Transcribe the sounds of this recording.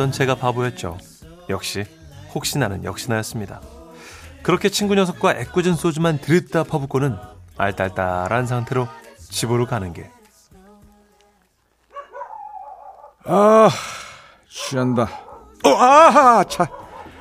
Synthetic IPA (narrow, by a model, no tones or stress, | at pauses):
ʌnt͡ɕe̞ɡapabojʌt̚t͡ɕ͈o̰ | jʌk̚ɕ͈i | hok̚ɕ͈inanɯnjʌ̰k̚ɕ͈inajʌs͈ɯmɲida̰ | kɯɾʌkʰe̞t͡ɕʰinɡuɲjʌsʰʌk̚k͈waʔe̞k͈ud͡ʑins͈ʰod͡ʑumantɯɾit̚t͈apʰʌbuk͈onɯna̰ɭt͈aɭt͈a̰ɾanɯns̬ʰaŋtʰe̞ɾot͡ɕibɯɾokanɯnɡe̞ | a | ɕʰianda | oat͡ɕʰa